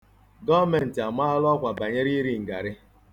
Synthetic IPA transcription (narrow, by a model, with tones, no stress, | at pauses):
ɡɔ˦me˨n̩˨tɪ˨a˨m˦a˦lɔ˦kʷa˨ba˨ɲe˦ɾi˦ɾi˦ŋ̩˨ɡa˨ɾɪ˦